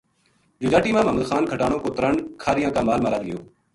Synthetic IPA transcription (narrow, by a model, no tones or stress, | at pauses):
d͡ʒʊd͡ʒaːʈiːmãːməməd̪xaːnkʰəʈaːɳoːkoːt̪əɾəɳkʰaːɾɪjãːkaːmaːlmaːɾaːd̪ɪjo̰ː